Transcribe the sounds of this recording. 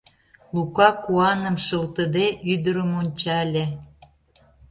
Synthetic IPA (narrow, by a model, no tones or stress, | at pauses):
lukɑkuɑnə̆mʃəlt̪əd̪eʔyd̪əɾəmonʲt͡ɕɑlʲe